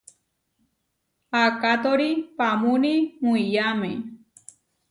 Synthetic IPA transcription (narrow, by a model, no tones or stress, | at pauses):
akat̪oɾipamũnimuijamḛ̃